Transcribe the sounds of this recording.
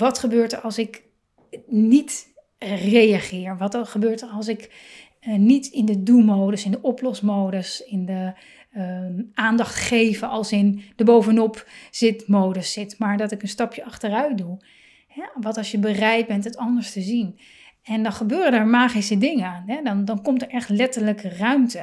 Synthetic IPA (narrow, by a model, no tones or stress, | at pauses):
ʋɑtχəbøːɹtəɹɑlˠsɪk | nit | rejaχɪːɹʋɑtχəbøːɹtəɹɑlˠs̬ɪk | nitɪndədulˠmowdəsɪndəʔɔplɔsmowdəsɪndə | aːndɑχtχejvəɑlˠsɪnd̥əbowvənɔpzɪtmowdəsːɪtmaːɹdɔtɪkənstɑpjəɑχtərœɥt̚du | hɛʋɑtɑlˠsjəbərɛjt̚bɛntɦətɑndəɹstəzin | ɛndɑnχəbøːrəndəɹmaːχisədɪŋəaːnɦɛdɔndɑnkɔmtəɹʔɛχtlɛtəɹləkərœɥmtə